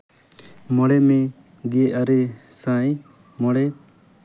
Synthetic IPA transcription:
mɔɽɛmɛ | ɡɛʔaɾɛsãj | mɔɽɛ

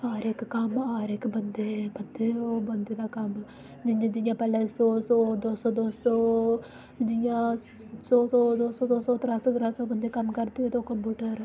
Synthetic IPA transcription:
aːɾekːkɐmaːɾekːbɐnd̪eːbɐnd̪eːoːbɐnd̪eːd̪aːkɐm | d͡ʒɪãːd͡ʒɪjãːpɛːlɛːsoːsod̪oːsoːd̪oːso | d͡ʒɪjãː | soːsod̪oːsod̪oːsoːt̪ɾaːsod̪ɾaːsoːbənd̪eːkɐmːkɐɾt̪iet̪okəmbuːʈəɾ

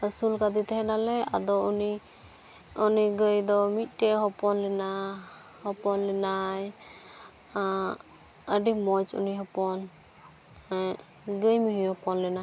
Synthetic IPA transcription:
əsulkad̪it̪ɛɦɛnalɛa̰d̪ɔuni | ɔniɡəjd̪ɔmit̪̚ˀʈɛɦɔpɔnlɛna | hɔpɔnlɛnaj | əɖimɔjt͡ʃṵniɦɔpɔn | ɡəjmuɦihɔpɔnlɛna

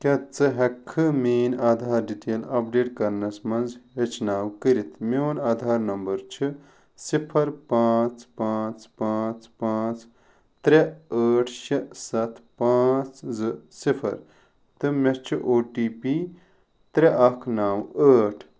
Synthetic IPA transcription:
kʲɐt͡sɨɦɐkʰːɨmeːnaːd̪ʱaːɾɖiʈeːlɐp̚ɖeːʈkɐɾnɐsmɐnzɦet͡ʃʰnaːwkəɾit̪ʰmeonaːd̪ʱaːɾnɐmbɐɾt͡ʃʰi | sipʰɐɾpaːt͡spaːt͡spaːt͡spaːt͡s | t̪ɾeəːʈʰʃɐsɐt̪ʰpaːt͡szɨsipʰɐ̰ɾ | t̪ɨmest͡ʃʰiʔoːʈiːpi | t̪ɾeʔɐkʰnaːwəːʈʰ

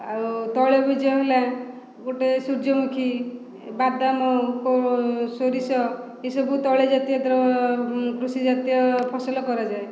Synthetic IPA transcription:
awt̪ɔɭebud͡ʒɔɦela | ɡoʈesuɾd͡ʒɔmukʰi | bad̪amɔkɔsoɾisɔ | esɔbut̪ɔɭed͡ʒat̪ijɔt̪ɔɾɔ | kɾusid͡ʒat̪ijɔpʰɔsɔlɔkɔɾad͡ʒae

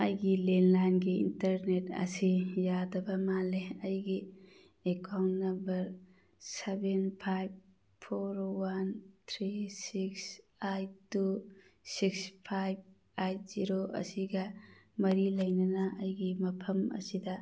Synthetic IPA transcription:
ɐjɡilenlajnɡiḭntɐɾnetɐ̰sijadɐbɐmaleɐjɡi | ekawnnːɐmbɐɾ | sebenpʰajb̚ | pʰːoɾwant̪ʰɾisiks | ajtusikspʰajb̚ | ajt̚z̥iɾoɐ̰siɡɐmɐɾilɐjnɐnɐɐjɡimɐpʰɐmɐ̰sidɐ

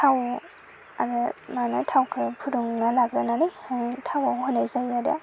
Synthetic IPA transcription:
tʰaw | aɾɯmanatʰawkʰɯpʰuɾuŋnalaɡɾananɯjtʰawahɔnajzajaɾa̰

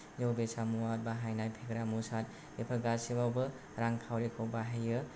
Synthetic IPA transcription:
jowbesʰamuwat̚baɦajnajbʱeɡɾamusad̚ | epʰaɡasibawbɯ | ɾaŋkʰawɾekʰobaɦejɯ

